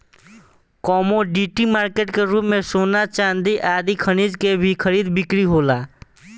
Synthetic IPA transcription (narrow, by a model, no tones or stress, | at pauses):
kɔːmoɖiːʈimaːɾkeːʈkeɾuːpmẽsoːnat͡ʃaːnd̪iʔaːd̪ikʰəñiːd͡ʒkebʱikʰəɾiːd̪bɪkɾiɦoːlaː